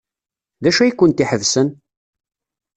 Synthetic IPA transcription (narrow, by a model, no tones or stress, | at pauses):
ðæʃæjikʷːʊnt̪iħəvsən